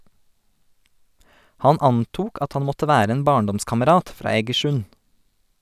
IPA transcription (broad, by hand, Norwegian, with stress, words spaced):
ˈhɑn ˈɑntuːk ˈɑt ˈhɑn ˈmɔtə ˈʋæːɾ ˈeːn ˈbɑːɳˌdɔmskɑməˌɾɑːt ˈfɾɑː eːɡəˈʃʉn